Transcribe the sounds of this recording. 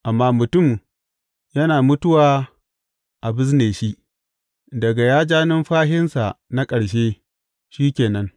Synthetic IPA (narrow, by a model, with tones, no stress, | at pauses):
ʔa˨mːaː˦mʊ˨tʊ˦˨m | jɐ˦naː˨mʊ˦tʊ˦waː˨ | ʔa˨bɪ˦s̬neː˨ʃi˦ʔ | dɐ˨ɡa˨jaː˦d͡ʒaː˦nɪ˦mɸaː˦ɦɪ˦nsa˨ʔna˦kʼɐ˨ɽʃeː˦ | ʃiː˦kʲeː˨nɐ˦n